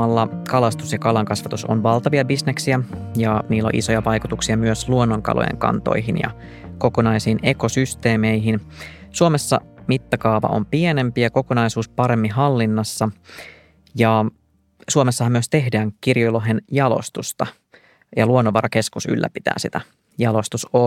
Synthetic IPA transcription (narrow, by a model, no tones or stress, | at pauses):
ɑlːɑkɑlɑst̪usjɑkɑlɑŋkɑsʋɑt̪uso̰nʋɑlt̪ɑʋiɑbisneksiæjɑniːlːo̰ʔḭso̞jɑʋɑjkut̪uksiɑmyøsluonːoŋkɑ̰lo̰jḛŋkɑ̰nt̪o̰jɦinjɑ̰kokonɑjsiːne̞ko̞syst̪e̞ːmeiɦinsuomesːɑ̰mit̪ːɑkɑːʋɑ̰ʔo̰mpienempiɑko̞konɑjsuːspɑɾe̞mːiɦɑlːinːɑsːɑ | jɑ | suomesːɑhɑmːyøst̪e̞ɦdæːŋkirjojloɦenjɑlo̰st̪ust̪ɑ | jɑluonːoʋɑɾɑke̞skusy̰lːæ̰pit̪æ̰ːsit̪æ | jɑlo̞st̪uso